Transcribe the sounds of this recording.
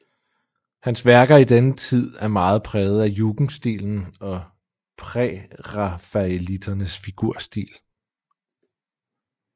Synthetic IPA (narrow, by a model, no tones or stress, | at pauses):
hænsʋæɐɡ̥ɐid̥enət͡sʰið̞̰ˠæɐmɑ̈ːð̞̩ˠpʰʁɛːð̞̩ˠæjuɡ̥n̩sd̥ḭːln̩ɒ̽ | pʰʁɛʁɑfæelid̥ɐnəsfiɡ̥uɐ̰sd̥ḭːl